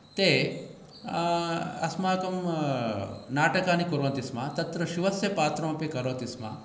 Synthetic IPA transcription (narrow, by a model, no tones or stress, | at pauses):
t̪eː | ɐ̰smaːkɐm | naːʈɐkaːnikuɾʋɐnt̪ismaːt̪ɐt̪ɾɐʃiʋɐsjɐpaːt̪ɾɐmɐpikɐɾoːt̪isma̰ː